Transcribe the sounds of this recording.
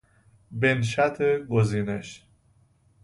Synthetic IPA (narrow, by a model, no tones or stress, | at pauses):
benʃæt̪ʰeɡoziːneʃ